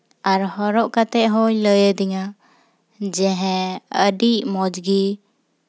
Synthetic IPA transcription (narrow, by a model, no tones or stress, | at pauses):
aɾhɔɾɔʔkat̪ɛʔɦɔləjed̪ɛɲa | d͡ʒɛɦɛ̃əɖiʔmɔd͡ʒɡi